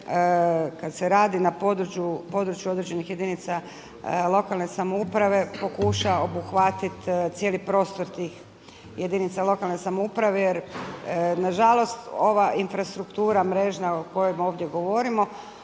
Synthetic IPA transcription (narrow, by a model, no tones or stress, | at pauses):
kad̪se̞ɾaːd̪inapod̪ɾut͡ʃupo̞ːd̪ɾut͡ʃjuo̞d̪ɾe̞d͡ʑe̞nixje̞d̪init̪sa | lˠo̞kalˠne̞samoupɾaʋe̞po̞kuʃao̞buxʋat̪it̪t̪sje̞lipɾo̞ːst̪o̞ɾt̪iːx | je̞d̪init̪salˠo̞kalne̞samoupɾaʋejeɾ | naʒalˠo̞st̪o̞ʋaʔinfɾast̪ɾukt̪uːɾamɾe̞ʒnaoko̞jemo̞ːʋd̪je̞ɡo̞ʋo̞ɾimo̞